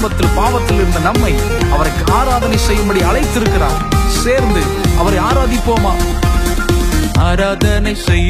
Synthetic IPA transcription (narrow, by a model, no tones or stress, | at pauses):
mbɐt̪ːɪlpaːʋɐt̪ːɪlɪɾɯnd̪ɐnɐmːɐɪ | ʔɐʋɐɾɐkːɯʔaːɾaːðɐnɐɪsɛjːɯmbɐɽiɐlɐɪt̪ːɪɾɯkːɪɾa̰ː | seːɾnd̪ɯ | ʔɐʋɐɾɐɪaːɾaːðɪpːoːmaː | aːɾaːðɐnɐɪsɛjː